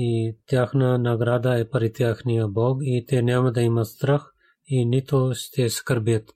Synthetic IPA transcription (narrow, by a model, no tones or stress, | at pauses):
iːt̪jaːxnaːnaːɡɾaːd̪aːepɐɾit̪jaːxʰnijaːboːɡiːt̪eːnjaːmɐd̪ɐimɐst̪ɾɐx | iːnit̪ʰoːst̪eːskɐɾbet̪